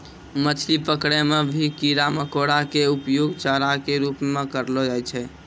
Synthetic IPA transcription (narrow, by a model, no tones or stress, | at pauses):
mət͡ʃʰlipəkɽɛmebʱikiɾaməkoɽakeupjoɡt͡ʃaɾakeɾupmekəɾlɔd͡ʒajt͡ʃʰɛ